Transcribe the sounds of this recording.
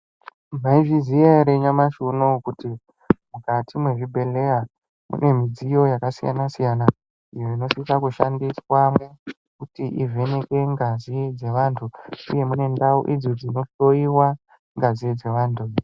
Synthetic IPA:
maiʐizijaɾeɲamaʃunokuti | mukatimwe̞ʐibʱe̞le̞ja | mṵne̞mid͡zijo̞jakasija̰nasijana | ijoino̞sikakuʃa̰ndiswamwe̞ | kutiʔivʱe̞ne̞kwe̞ŋɡazid͡ze̞ʋantʰuṵje̞mune̞ndaṵʔid͡zod͡zino̞ɬo̞iwa | ŋɡazid͡ze̞ʋaːntʰu

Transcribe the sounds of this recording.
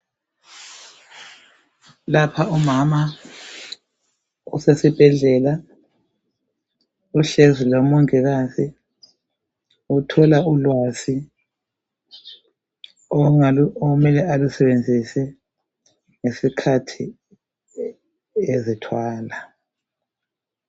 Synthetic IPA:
lapʰaumama | usesib̥ʱɛɮɛla | uɬezilomuŋɛɣasi | utʰɔlaulwasi | omɛlɛalusɛβend͡zʱisɛ | ŋesikʰatʰi | ezitʰwaːla

